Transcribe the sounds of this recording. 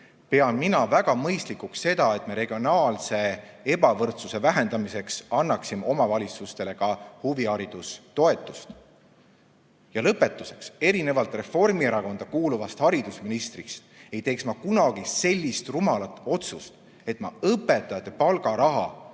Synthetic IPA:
pe̞ɑnminɑvæɡ̥ɑmɤ̞jst̪likːˑuksse̞d̪ɑe̞t̪me̞ɾe̞ɡ̥io̞nɑːlse̞e̞bɑvɤrt̪suse̞væɦe̞nd̪̥ɑmise̞ksɑnːɑksimo̞mɑvɑlʲit̪sust̪e̞le̞kɑhuviɑɾid̪̥ust̪o̞e̞t̪ːˑust̪ | jɑlɤpːe̞t̪ːˑuse̞kse̞ɾine̞vɑlt̪ˑre̞fo̞rmie̞ɾɑko̞nd̪ɑkuːluvɑst̪hɑɾid̪̥usminist̪rikst̪e̞jt̪e̞ːksmɑkunɑɡ̥ise̞lʲːist̪rumɑlɑt̪ːˑo̞t̪sust̪ | e̞t̪ˑmɑɤpːˑe̞t̪ːˑɑjɑt̪ːˑepɑlɡ̥ɑɾɑɦɑ̰

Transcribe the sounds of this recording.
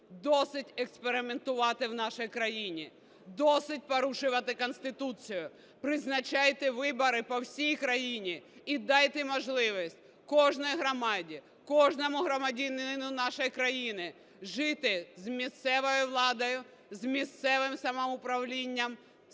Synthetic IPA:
d̪ɔsɪtʲekspeɾɪment̪ʊʋɑt̪ɪwnɑʃɪjkɾɐjinʲi | d̪ɔsɪt̚ʲpɔɾuʃʊʋɐt̪ɪkɔnst̪ɪt̪ut͡sʲijʊ | pɾɪznɐt͡ʃɑjt̪ɛʋɪbɔɾɪpɔwsʲijkɾɐjinʲiid̪ɑjt̪ɪmɔʒlˠɪʋisʲt̚ʲ | kɔʒnɔjɦɾɔmɑdʲi | kɔʒnɔmʊɦɾɔmɐdʲinɪnʊnɑʃɔjkɾɐjinɪ | ʒɪt̪ɪzmʲist̪sɛʋɔjʊʋlˠɑd̪ɔjʊ | zmʲist̪sɛʋɪmsɐmɔʊpɾɐwlʲinʲːɐm

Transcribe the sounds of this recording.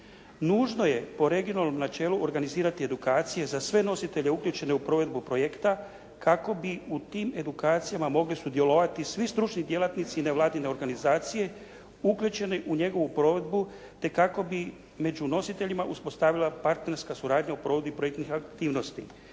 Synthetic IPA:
nuːʒno̞je̞po̞ɾe̞ɡijo̞nalno̞mnat͡ʃe̞ːluʔo̞ɾɡaniziːɾat̪ie̞d̪ukaːt̪sije̞zasʋe̞no̞sit̪e̞ʎe̞uklʲut͡ʃe̞ne̞upɾoʋe̞d̪bupɾo̞jekt̪a | kako̞biut̪iːme̞d̪ukaːt̪sijamamo̞ɡlisud̪je̞lˠo̞ʋat̪isʋist̪ɾut͡ʃnid̪je̞lat̪nit̪sine̞ʋlˠaːd̪ine̞o̞ɾɡanizaːt̪sije̞ | uklʲut͡ʃe̞neʔuɲe̞ɡo̞ʋupɾo̞ːʋe̞d̪bu | t̪e̞kako̞bi | me̞d͡ʒuno̞sit̪e̞ʎimaʔuspo̞st̪aʋilˠapaɾt̪ne̞ɾskasuɾaːd̪ɲaupɾo̞ːʋod̪ipɾo̞jekt̪nixakt̪iːʋno̞st̪ḭ

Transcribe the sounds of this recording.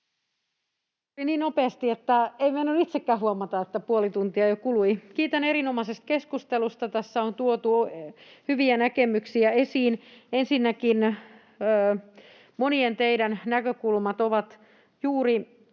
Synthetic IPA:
oliniːnnopeɑst̪iet̪ːæeimenːyit̪sekːæhhuɑmɑt̪ɑet̪ːæpuolit̪unt̪iɑjokuluikiːt̪ænerinomɑsest̪̚keskust̪elust̪ɑt̪æsːæont̪uot̪u | hyʋiænækemyksiæesiːnensinːækinː | monient̪eidænnækøkulmɑt̪oʋɑt̪ | juːri

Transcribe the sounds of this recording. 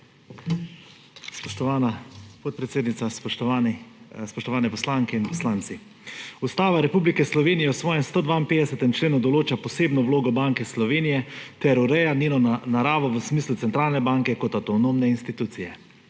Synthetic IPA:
spɔʃt̪ɔʋaːnapɔt̪̚pɾɛt̪seːd̪nitsaspɔʃt̪ɔanspɔʃt̪ɔʋaːnɛpɔslaːŋkɛinpɔslaːnt̪si | ust̪aːʋaɾɛpublikɛslɔʋeːnijɛwsʋɔːjɛmst̪oːd̪ʋaːimpeːd̪ɛsɛt̪ɛmt͡ʃleːnud̪ɔloːt͡ʃapɔseːbnɔʋloːɡɔbaŋkɛslɔʋeːnijɛt̪ɛɾuɾɛjaninɔnaɾaːʋɔʋəsmiːslut̪sɛnt̪ɾaːlnɛbaŋkɛkɔt̪awt̪ɔnomnɛinst̪it̪ut̪sijɛ

